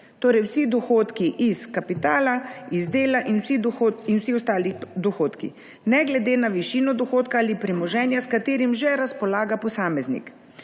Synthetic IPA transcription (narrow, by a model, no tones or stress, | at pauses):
t̪oːɾɛjwsid̪ɔxoːt̪kiʔiskapit̪aːlaizd̪eːlaʔinwsiinwsiɔst̪aːlid̪ɔxoːt̪kḭ | nɛɡlɛd̪eːnaʋiʃiːnɔd̪ɔxoːt̪kaaːlipɾimɔʒɛːnjaskat̪eːɾimʒɛɾaspɔlaːɡapɔsaːmɛznḭk